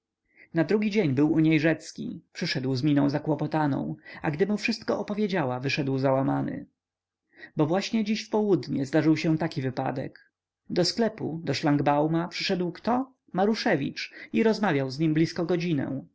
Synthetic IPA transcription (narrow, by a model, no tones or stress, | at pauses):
nad̪ɾuɡʲid͡ʑeɲbɘwuɲejʐɛt̪skʲḭpʂɘʂɛd̪wzmʲinɔ̃w̃zakwɔpɔt̪anɔ̰̃w̃aɡd̪ɘmufʂɘst̪̚kɔʔɔpɔvʲjed͡ʑawavɘʂɛd̪wzawamanɘ̰ | bɔvwaɕɲɛd͡ʑiɕfpɔwud̪ɲɛzd̪aʐɘwɕɛ̃t̪akʲivɘpa̰d̪ɛ̰k | d̪ɔsklɛpud̪ɔʂlaŋɡbawmapʂɘʂɛd̪wkt̪ɔ | maɾuʂɛvʲḭt͡ʂiɾɔzmavʲjawzɲimblʲiskɔɡɔd͡ʑinɛ̰̃